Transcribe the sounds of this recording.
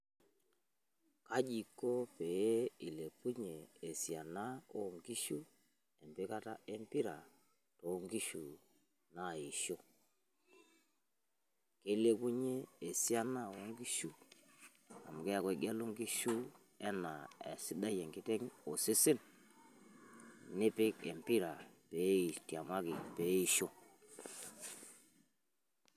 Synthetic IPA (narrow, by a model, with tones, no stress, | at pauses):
ka˦d͡ʒi˨ko˦pe˨˦i˨le˨ku˦ɲeː˨si˨a˨na˦o˦ŋɡi˦ʃu˦ | ɛ˨mbe˦ka˦ta˦e˦mpi˦ɾa˨ | to˨˦ŋɡi˦ʃu˨ | na˦˨i˨ʃo˦ | ke˨˦le˦ku˦ɲeː˦˨si˦a˦na˦˨wo˦ŋɡi˦ʃu˦ | a̰˨m˨kɛ˦ja˨kwe˨˦ɡa˦lu˦ŋɡi˦ʃu˦ | ɛ˦na˨ḛ˨si˦da˦jɛ˨ŋɡi˦tɛ˦ŋo˨si˦sɪ˦n | nɪ˦pɪ˦ke˨mpi˦ɾa˨pe˨˦i˨ti˨a˨ma˦ki˨pe˨˦i˦˨ʃo˦